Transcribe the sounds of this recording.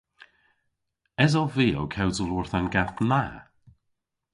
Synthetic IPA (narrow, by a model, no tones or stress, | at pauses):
ɛzɔviːo̰wkʰɛwzəlˠʊːɹθanɡaθna